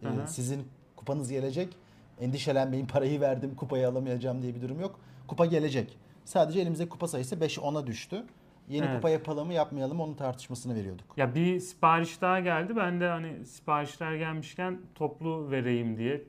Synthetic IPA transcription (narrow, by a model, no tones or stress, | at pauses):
sizin | kʰupʰanɯzɟe̞lʲe̞d͡ʒɛc | ɛnd̪iʃe̞lʲænbe̞nimpʰaɾajɯvæɾd̪imkʰupʰajaːlˠamajad͡ʒamd̪ijɛbid̪uɾumjo̞kkʰːupaɟe̞lʲe̞d͡ʒɛc | saːd̪e̞d͡ʒɛelʲimizd̪ɛkʰu̥pasajɯsɯbɛʃʔo̞nad̪yʃt̪ʰy | jeikupʰajapʰalˠamɯjapmajalˠɯmonunt̪ʰaɾt̪ʰɯ̥ʃmasɯnɯve̞ɾijo̞d̪ukjabispaːɾiʃd̪aːaɟælʲd̪ibænd̪ɛhanisi̥paːɾiʃlʲˠaɾɟælʲmiʃcʰænt̪ʰo̞plˠuve̞ɾe̞jimd̪ijɛ